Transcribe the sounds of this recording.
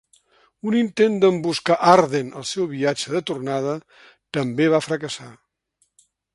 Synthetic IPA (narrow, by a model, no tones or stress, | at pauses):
unint̪end̪əmbuskaʔaɾðenə̰lˠsɛwβiad͡ʒəðət̪urnað̞ə | t̪əmbeβ̞afɾəkəsa